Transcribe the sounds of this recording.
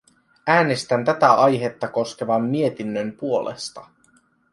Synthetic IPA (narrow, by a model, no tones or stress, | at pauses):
æːne̞st̪ænt̪æt̪æʔɑjɦe̞t̪ːɑko̞ske̞ʋɑmːie̞t̪inːømpuo̞lḛst̪ɑ